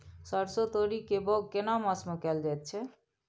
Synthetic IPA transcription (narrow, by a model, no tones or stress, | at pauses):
səɽsot̪oɾikebɔɡkenaməsməkɛld͡ʒɛjt̪̚t͡ʃʰɛ